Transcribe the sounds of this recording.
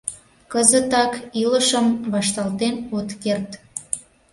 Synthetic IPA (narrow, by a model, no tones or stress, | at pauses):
kəzət̪ɑkiləʃəmβɑʃt̪ɑlt̪enut̪kert̪